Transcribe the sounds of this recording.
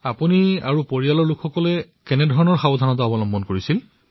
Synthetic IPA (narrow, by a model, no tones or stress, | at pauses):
apunia̰ɹupoɹialɔɹlukʰxɔkɔlɛ | kɛnɛdʱɔɹɔnɔɹxabɔdʱanɔt̬aɔbɔlɔmbɔnkoɹisil